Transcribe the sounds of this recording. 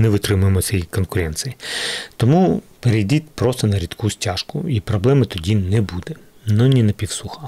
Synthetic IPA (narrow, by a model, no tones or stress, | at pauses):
nɛʋɪt̪ɾɪmʊjemɔt͡ssʲɛjikɔnkʊɾɛnt̪sɨjit̪ɔmupeɾejd̪ʲit̪ʲpɾɔst̪ɔnɐɾʲid̪kʰusʲtʲaʃkʊ̰ipɾɔblˠɛmɪt̪ɔdʲinɛbud̪ɛ | nɔnʲinɐpʲiwsuxɐ